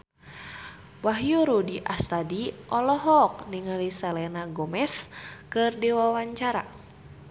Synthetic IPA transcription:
baɦjuɾudiʔast̪adiʔɔlɔɦɔk̚niŋalisɛlɛnaɡɔmɛskɨrdiwawaɲt͡ʃaɾa

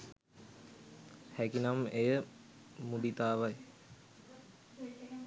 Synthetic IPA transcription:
hækinamejə | mud̪it̪aːʋaj

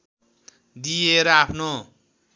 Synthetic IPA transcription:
d̪ijeɾʌapʰno

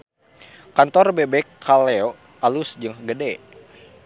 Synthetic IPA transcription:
kant̪ɔrbebɛkʰːalɛo | alusd͡ʒɨŋɡədɛ

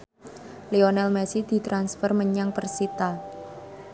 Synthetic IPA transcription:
leonɛlmɛsid̪̥i̤t̪ɾansfərməɲaŋpərsit̪a

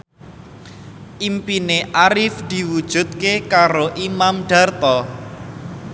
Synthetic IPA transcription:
ʔimpineʔaɾɪfd̪̥i̤wud̥ʒ̥ṳd̪̚kekaɾoʔimamɖ̥a̤rt̪ɔ

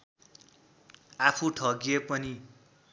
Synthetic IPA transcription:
apʰuʈʰʌɡijepʌni

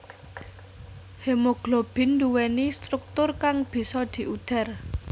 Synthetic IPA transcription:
hemoɡ̥lob̥ɪ̤nduwɛnist̪ɾuk̚t̪ʊrkaŋb̥i̤sɔd̪̥i̤ʔuɖ̪̥a̤r

